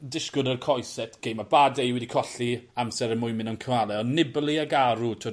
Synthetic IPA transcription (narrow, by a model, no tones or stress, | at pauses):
dɪskʊdərkʰɔjsɛtʰɡ̥ejmabadɛjwɛdikʰɔɬiamsɛɾəmʊjmɪnɔnkʰəwalˠɛɔnːɪblˠiaɡaɾutʰo